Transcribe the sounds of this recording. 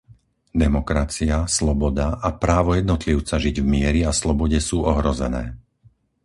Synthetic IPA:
d̪ɛmɔkɾat͡siaslɔbɔd̪aʔapɾaːʋɔjɛd̪nɔt̪liʊt͡saʒiɟvmɪɛɾiaslɔbɔɟɛsuːɔɦɾɔzɛnɛ̰ː

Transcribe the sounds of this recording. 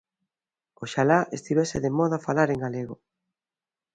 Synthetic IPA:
oʃalaʔest̪iβeseðemɔðafalaɾeŋɡaleɣo

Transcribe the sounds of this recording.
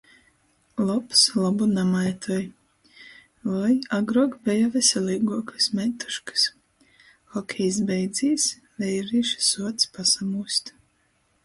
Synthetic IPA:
lˠɔpslˠɔbunamajt̪ʰɔj | lɔjaɡɾuɔkbʲɛjavɛsʲɛlʲˠiːɡuɔkɨsmɛnt̪u̥ʃkɨ̥s | xɔkʲʰɛjsbɛjd̪zʲiːs | vɛjɾiːʃsuɔt̪spasamuːsʲt̪

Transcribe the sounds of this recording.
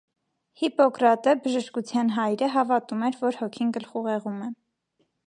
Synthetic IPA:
hipɔkɾɑt̪əbəʒəʃkut͡sʰjɑnɦɑjɾəɦɑvɑt̪umɛɾvɔɾhɔkʰinɡəlχuʁɛʁumɛ

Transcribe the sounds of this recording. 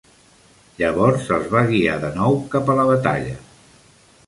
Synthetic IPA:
ʎəβɔɾsəlˠzβaɣia̰ðənɔwkapələβət̪a̰ʎə̰

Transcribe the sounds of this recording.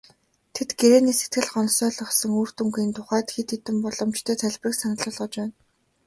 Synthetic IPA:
t̪ʰet̪ɡeɾeːniːset̪̚ɡɘ̆ɮχɔnsœːɮɞ̆χsɞ̆ŋuːr̥t̪ɵ̆ŋɡiːnt̪ʰʊχæːt̪xit̪ʰet̪ɘ̆mpɔɮɞ̆mt͡ɕt̪ʰeːt̪ʰæɮʲprĭksanə̆ɮʊːɮʁɞ̆t͡ɕpæːn

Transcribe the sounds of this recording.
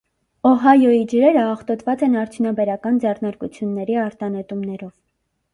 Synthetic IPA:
ɔɦɑjɔid͡ʒəɾɛɾəɑχt̪ɔt̪vɑt͡sɛnɑɾt̪ʰjunɑbɛɾɑkɑnd͡zɛrnɑɾkut͡sʰjunːɛɾiɑɾt̪ɑnɛt̪umnɛɾɔv

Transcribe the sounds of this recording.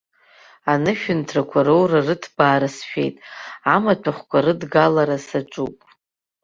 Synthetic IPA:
anɨʃᶣʊntʰrakʷʰaɾowrarɨtʰbaːɾasʃᶣe̞̰jtʼamatʷʰaχʷkʷʰaɾɨdɡalaɾasaʈ͡ʂʷʼupʼ

